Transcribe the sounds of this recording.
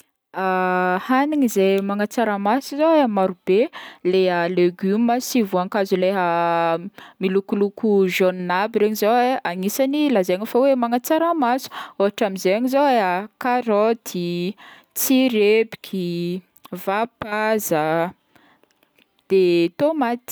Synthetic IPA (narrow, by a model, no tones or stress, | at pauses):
ahaniŋizejmaŋat͡saɾamasuzoeamaɾubeleɦəleɡyməsivuaŋkazuleɦə | milukulukuʒonnabiɾeɲizoeaŋisanilazaɲafawemaŋat͡saɾamasu̥oɦaʈ͡ʂamizeaɲizoeɦəkaɾɔt̪ʰi | t͡siɾebi̥kʲʰi | vapazə | d̪̥et̪omat̪i̥